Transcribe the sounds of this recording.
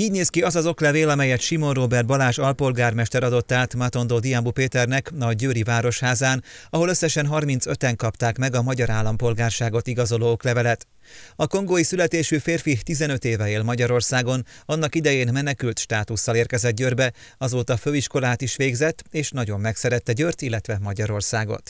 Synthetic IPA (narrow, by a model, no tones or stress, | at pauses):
iːɟneːskiɒzɒzo̞klɛveːlɒmɛjɛt̪ʃimo̞nroːbɛrd̪̚bɒlaːʃɒlpo̞lɡaːrmɛʃt̪ɛɾɒd̪o̞t̪ːaːt̪mat̪o̞nd̪oːd̪ijambupeːt̪ɛrnɛkɒɟøːɾivaːɾo̞ʃhaːzaːnɒɦo̞løsːɛʃɛnɦɒrmin̪t̪sø̞t̪ɛŋkɒpt̪aːkmɛɡɒmɒɟɒɾaːlːɒmpo̞lɡaːrʃaːɡo̞t̪iɡɒzo̞loːoklɛvɛlɛt̪ | ɒko̞ŋɡoːjisylɛt̪eːʃyːfeːrfit̪izɛnø̞t̪eːvɛeːlmɒɟɒɾo̞rsaːɡo̞nɒnːɒkid̪ɛjeːnmɛnɛkylt̪ʃt̪aːt̪usːɒleːrkɛzɛd̪̚ɟørbɛ | ɒzoːt̪ɒføːiʃko̞laːt̪iʃʋeːɡzɛt̪ːeːʃnɒɟo̞mːɛksɛɾɛt̪ːɛɟørt̪ilːɛt̪ʋɛmɒɟɒɾo̞rsaːɡo̞̰t̪